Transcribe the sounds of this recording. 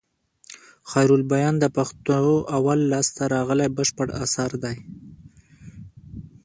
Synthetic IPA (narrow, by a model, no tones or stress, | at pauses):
xɑjɾulbajɑnd̪əpaxt̪oʔawalːɑst̪aɾɑɣəlajbəʃpəɽasɑɾd̪aj